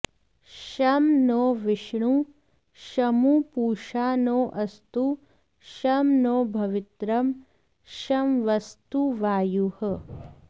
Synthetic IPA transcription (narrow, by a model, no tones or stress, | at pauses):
ʃɐmnoːʋiʂɳu | ʃɐmupuːʂaːnoːʔɐst̪u | ʃɐmnoːbʱɐʋit̪ɾɐm | ʃɐmʋɐst̪uʋaːjuhɐ